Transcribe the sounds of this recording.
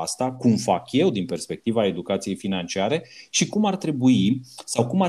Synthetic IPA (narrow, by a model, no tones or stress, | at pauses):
ast̪akumfakje̞wd̪inpe̞rspe̞k̚t̪ivae̞d̪ukat̪sije̞jfinant͡ʃiaɾe̞ʃikumart̪ɾe̞buisawkuma